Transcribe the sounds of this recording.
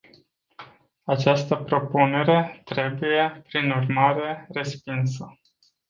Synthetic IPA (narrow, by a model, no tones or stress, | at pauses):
at͡ʃast̪əpɾo̞pune̞ɾe̞t̪ɾe̞buje̞pɾinurmaɾe̞re̞spinsə